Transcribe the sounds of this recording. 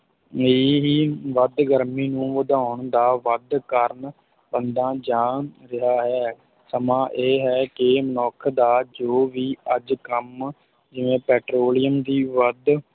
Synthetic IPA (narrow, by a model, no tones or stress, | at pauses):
eːɦiːʋəd̪ɡəɾmiːnũːʋəd̪aːʊɳd̪aːʋəd̪kəɾn | bənd̪ãːd͡ʒãːɾɪɦaːɦɛː | səmãːʔeːɦɛːkɪmənɔːkʰd̪aːd͡ʒoːʋiːəd͡ʒkəm | d͡ʒɪʋẽːpɛːʈɾoːlɪjəmd̪iːʋəd̪